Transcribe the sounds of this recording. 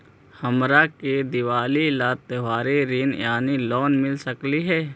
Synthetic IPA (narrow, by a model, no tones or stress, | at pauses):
həmɾaked̪ɪʋaːlilaːt̪eʋaːɾiɾinjaːnilɔːnmɪlsəkliɦɛː